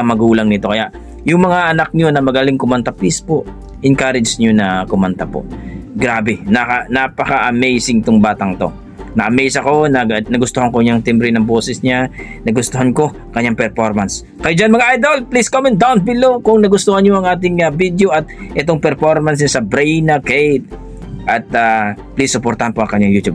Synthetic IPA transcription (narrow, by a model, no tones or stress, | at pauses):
ɐmɐɡuːlɐŋnɪt̪o̞kɐjaʔ | jʊŋmɐŋaʔɐnak̚ɲonɐmɐɡɐlɪŋkʊmɐnt̪ɐplispoʔ | ʔɪnkaɾɪd͡ʒɲonɐkʊmant̪ɐpo̰ʔɡɾaːbɛnɐkɐnapɐkɐʔɐmejsɪŋɪt̪oŋbaːt̪ɐŋt̪o̞̰ | nɐʔɐmɛjsɐko̞nɐnɐɡʊst̪ohɐŋkʊɲaŋt̪ɪmbɾɪnɐŋbo̞ːsɛsɲanɐɡʊst̪oɦanko̞ | kɐɲːaŋpɛɾfoɾmɐns | kɐjod͡ʒanmɐŋaʔajd̪olpliskomɛnt̚d̪awn̚bɪlowkʊŋnɐɡʊst̪ohɐnɲoʔɐŋʔaːt̪̬ɪŋɐbid̪joʔɐt̪̚ʔɛt̪oŋpɛɾfoɾmɐns̬ɲasɐbɾɛjnɐkejt̪̚ | ʔɐt̪̚aplisːʊpoɾt̪ɐhanpoʔɐŋkɐɲaŋjut̪ub̚